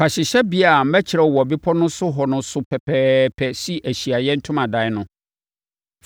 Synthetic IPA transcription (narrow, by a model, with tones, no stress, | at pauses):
pʰa˨ɕɪ˨ɕɛ˦bi˦a˨m̩˦mɛ˦t͡ɕʰɪ˨ɾɛ˨wɔ˨bi˦pʰɔ˦nʊ̃˦sʊ˦ɦɔ˨nʊ̃˦sʊ˦pʰɛ˨pʰɛː˦pʰɛ˦si˦ʔæ˨ɕi˨a˨jɛ˦n̩˦tʰʊ̃˦mã˨da˨˦ɪ˦nʊ̃˦ | f